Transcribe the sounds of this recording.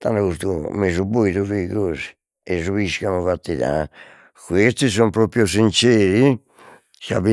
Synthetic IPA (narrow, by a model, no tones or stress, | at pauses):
t̪a̰naɣust̪ṵmezubojðuviɣoːzi̥ | ezuβiskanuvat̪ːiða̰ | kwest̪is̬ompɾopɾjos̬int͡ʃɛːɾi | sa̰βi